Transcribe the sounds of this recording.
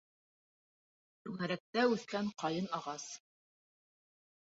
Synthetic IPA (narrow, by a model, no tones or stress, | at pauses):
ʃʉŋæɾæk̚t̪æʉθkæɴqɑjɤnɑʁɑs